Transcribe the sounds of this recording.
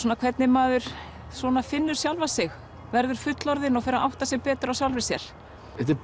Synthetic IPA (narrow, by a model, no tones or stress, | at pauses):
ɔnakʰv̥ɛt̪nɪmaːðʏɾ̥ | swɔːnafɪnːʏɾ̥sjawlvasɪɣ | vɛɾðʏɾ̥fʏt̪lɔɾðɪnɔɣfɛɾaʔawht̪asɪɣpɛːt̪ʏɾawsjawlvɪsjɛɾ̥ | ɛt̪ɪ